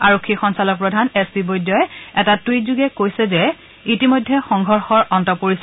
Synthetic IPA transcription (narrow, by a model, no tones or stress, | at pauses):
aɹokʰːixɔnsalɔk̚pɹɔdʱanɛspibojdjɔjɛtatwit̚zuɡɛkojsɛzɛ | itimojdʱːɛxɔŋɡʱɔɹxɔɹɔntɔpoɹisɛ